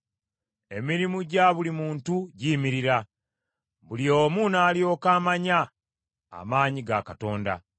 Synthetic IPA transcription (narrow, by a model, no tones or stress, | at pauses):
e̞miɾimuɟaβulimuːntuɟiːmiɾiɾa | βulioːmunaːlijo̞kaːmaɲa̰ː | maːɲiɡakato̞ːnda̰